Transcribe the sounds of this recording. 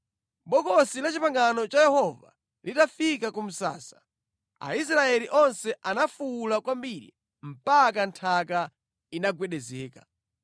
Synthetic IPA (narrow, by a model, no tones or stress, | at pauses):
ɓɔkɔsilat͡ʃipaŋɡanɔt͡ʃajɛhɔva̰ | litafikakum̩sa̰ːsḁ | a̰is̬ɾaɛliʔɔnsɛʔanafulakwambiɾḭ | m̩pak̬antʰaka | inaɡwɛɗɛzɛːka